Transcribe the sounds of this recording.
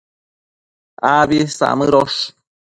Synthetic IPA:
aβisa̰mɨɾoʃ

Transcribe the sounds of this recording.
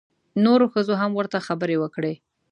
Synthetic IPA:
noɾoxəzoɦamwəɾt̪axabəɾewəkɽe

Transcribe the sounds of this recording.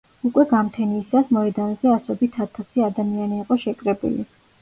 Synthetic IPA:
ukʼwɛɡamt̪ʰɛnisasmɔɛd̪anzɛasɔbit̪ʰat̪ʰasiad̪amianiːqʼɔʃɛkʼɾɛbṵlḭ

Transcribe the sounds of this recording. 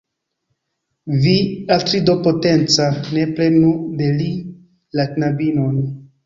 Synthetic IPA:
viatɾidopote̞nt͡sane̞plenude̞li | laknabinon

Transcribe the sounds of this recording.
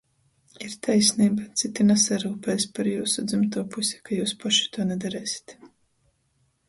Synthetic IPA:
iɾt̪ʰajsniːbat̪sit̪inɛsaɾuːpɛːsʲpaɾjuːsud̪zimt̪uːpusʲi̥kajuːspaʃi̥t̪uɔnɛd̪aɾɛːsʲi̥t̪

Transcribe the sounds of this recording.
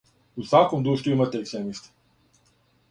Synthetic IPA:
usakomd̪ɾuːʃt̪uimat̪eːksemist̪i̥

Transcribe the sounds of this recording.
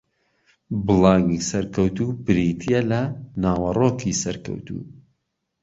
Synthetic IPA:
bɨlˠɑːŋiːsɐɾkɐwt̪uːbɨɾiːt̪ʰijɛlɐnaːwɐroːkʰiːsɐɾkɐ̰wt̪ṵː

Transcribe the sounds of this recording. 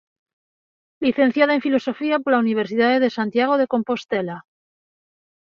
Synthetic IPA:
liθẽ̞n̟θjaðaeɱfilo̞so̞fiapoɾlauniβ̞e̞ɾsiðaðeðe̞sant̪jaɣ̞o̞ð̞e̞ko̞mpo̞st̪ela

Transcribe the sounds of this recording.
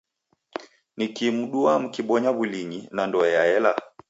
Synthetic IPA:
nikimuɗuam̩kiɓɔɲaβuliɲinandɔɛjaɛla

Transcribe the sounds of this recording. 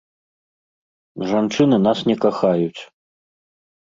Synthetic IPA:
ʐant͡ʂɨnɨnasnʲɛkaxajut͡sʲ

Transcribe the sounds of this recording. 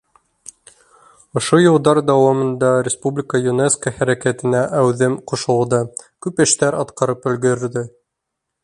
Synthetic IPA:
ŏʃojŏlˠd̪ɑɾd̪ɑwɑmɤ̆nd̪ɑɾʲɪspublʲɪkəjuneskəhæɾækæt̪ɘ̆næʔæwðɘmqŏʃɤ̆lˠd̪ɤkʉpɘ̆ʃt̪æɾɑt̪qɑɾɤpɵ̆lɡɵ̆ɾɘ̆ɾd̪ɘ

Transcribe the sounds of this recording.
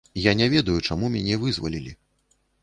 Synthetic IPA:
janʲɛvʲɛd̪ɐjut͡ʂamumʲanʲɛvɨzvalʲilʲi

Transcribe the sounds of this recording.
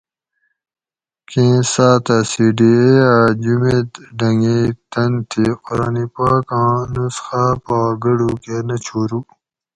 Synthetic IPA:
kĩːsaːt̪asiːɖiead͡ʑumed̪ɖɐŋɡit̪ɐnt̪ʰiqʊɾaːnipaːkɑ̃ːnusxapaɡəɖukenɐt͡ɕʰoːɾu

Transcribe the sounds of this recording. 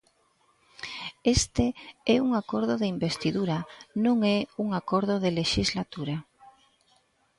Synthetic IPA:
est̪eɛuŋakoɾðʊðeimbest̪iðuɾanõŋɛuŋakoɾðʊðeleʃizlat̪uɾa

